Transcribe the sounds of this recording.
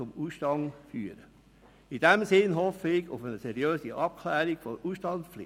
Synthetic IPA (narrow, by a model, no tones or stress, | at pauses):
ʊmuːsʃtɑŋfyːəɾə | id̥ɛmsɪnɦɔfəɪɡʊ̰fənəsɛɾjøːsiʔɑp̚kʰlɛːɾiɡ̥fɔuːsʃtɑnsflɪ̰